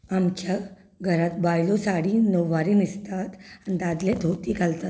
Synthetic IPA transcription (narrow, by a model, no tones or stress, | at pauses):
amkʰa | ɡʱəɾat̪bajlosaɽiːnəʋːaɾiːnist̪at̪anid̪ad̪led̪ʱot̪ikalt̪at̪̚